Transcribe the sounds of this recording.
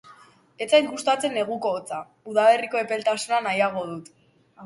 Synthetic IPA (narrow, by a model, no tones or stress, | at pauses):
e̞t͡sajŋɡust̪at͡se̞nːe̞ɣ̞uko̞ːt͡sa | uðale̞riko̞e̞pe̞lt̪asunanajaɣ̞o̞ðut̪